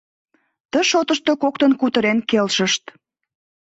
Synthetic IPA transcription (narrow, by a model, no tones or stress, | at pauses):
t̪əʃot̪əʃt̪okok̚t̪ənkut̪əɾenkelʃəʃt̪